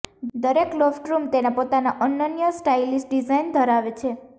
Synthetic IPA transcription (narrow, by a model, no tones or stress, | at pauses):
d̪əɾeklɔfʈɾumt̪enapot̪anaʔənːənjəsʈailisʈɖizajnd̪ʱəɾaʋet͡ʃʰe